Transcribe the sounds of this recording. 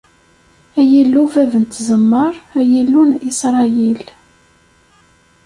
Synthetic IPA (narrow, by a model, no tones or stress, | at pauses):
æjilːuvævənt̪zəmːəɾˤæjilːunisɾˤɑjil